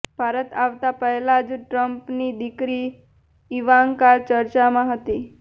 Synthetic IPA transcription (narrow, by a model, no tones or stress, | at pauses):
b̥ʱaɾət̪aʋt̪apəɦlad͡ʒʈɾəmpnid̪ikɾi | iʋaŋkaɾt͡ʃəɾt͡ʃamãɦət̪i